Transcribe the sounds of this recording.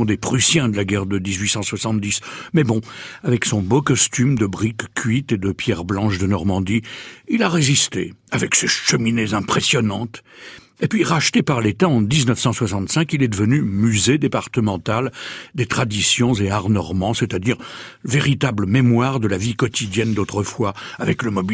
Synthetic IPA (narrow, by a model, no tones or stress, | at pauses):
d̪epχysjɛ̃d̪əlaɡɛʁd̪əd̪izɥisɑ̃swasɑ̃t̪d̪ismɛbɔ̃avɛksɔ̃bokɔst̪ymd̪əbʁikːʲɥit̪ed̪əpjɛʁblɑ̃ʃd̪ənɔʁmɑ̃d̪iilaʁezist̪ḛavɛkseʃəminezɛ̃pχesjɔnɑ̃t̪ | epɥiʁaʃt̪epaʁlet̪aɑ̃d̪iznəfsɑ̃swasɑ̃t̪sɛ̃kilɛd̪əvənymyzed̪epaʁt̪əmɑ̃t̪ald̪et̪χad̪isjɔ̃zeaʁnɔʁmɑ̃sɛt̪ad̪iʁveʁit̪abləmemwaʁd̪əlavikɔt̪id̪jɛnd̪ot̪χəfwaavɛkləmɔbi